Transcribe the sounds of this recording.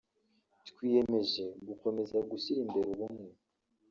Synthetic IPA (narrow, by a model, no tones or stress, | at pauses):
tkwiːje̞me̞ʒe̞ɡuko̞me̞zaɡusiɾimbe̞ɾuβumŋe